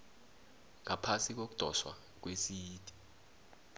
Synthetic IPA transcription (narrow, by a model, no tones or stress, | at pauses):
ŋapʰasik̬ok̬u̥d̥ʱɔ̰ʃwa̰ | k̬wesijiːd̥ʱʼi̥